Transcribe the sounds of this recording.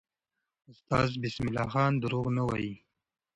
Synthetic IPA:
ʊst̪ɑːzbɪsmɪlɑxɑːnd̪əɾoɣnawa̰ji

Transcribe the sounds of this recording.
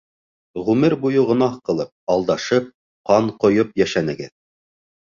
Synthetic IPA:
ʁʉmɘɾbujɤʁŏnɑχqɤ̆lˠɤp̚ɑlˠd̪ɑʃɤp̚ | qɑɴqŏjɤpjæʃænɘ̆ɡɘ̰ð

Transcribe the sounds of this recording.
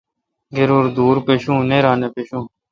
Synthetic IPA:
ɡeɾuːɾd̪uːɾpeːʃũːnẽːɾãːneːpeːʃũː

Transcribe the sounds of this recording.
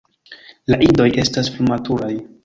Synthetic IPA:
laʔido̞je̞stasplumatuɾaj

